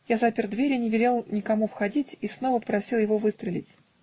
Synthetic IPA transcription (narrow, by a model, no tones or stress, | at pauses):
jazapʲɪrd̪vʲeɾʲɪnʲɪvʲɪlʲelˠnʲɪkɐmufxɐdʲitʲisno̞vəpɾɐsʲilˠjɪvovɨst̪ɾʲɪlʲɪ̰tʲ